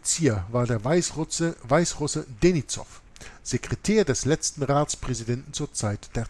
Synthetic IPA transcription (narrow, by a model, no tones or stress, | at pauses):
t͡siːɐvaːɐdeːɐaɪsʁsvaɪsʁʊsədenit͡sɔ̰f | z̥ekʁ̥etʰeːɐdɛslɛt͡stn̩ʁaːt͡spʁ̥ɛzidɛntn̩t͡suːɐt͡saɪtd̥eːɐ